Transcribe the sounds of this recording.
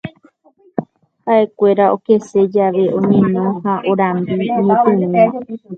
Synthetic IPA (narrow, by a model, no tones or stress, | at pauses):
haʔe̞kʷe̞ɾaoke̞se̞d͡ʒaʋe̞ʔõɲẽnõ̞haʔoɾãmbiõɲẽp̪ɨ̃ɨ̃a